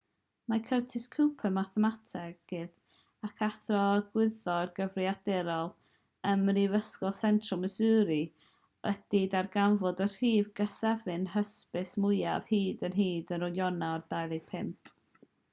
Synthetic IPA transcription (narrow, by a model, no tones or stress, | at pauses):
makʰərtʰɪskʰuwpʰəmaθɛmatʰɛɡɡ̥ɪð | akʰaθrɔɡ̥wɪðɔrɡəvriadɛɾɔlˠ | əmrivəskɔlˠsɛntʰrɔlˠməsɨːɾi | ʔəd̥idarɡanvɔdər̥iːvɡasɛvɨnɦəspɨsmʊɨja̰v̥hiːdənɦiːdənrɔjɔnaɔrd̥ajlˠepʰɪmp̚ʰ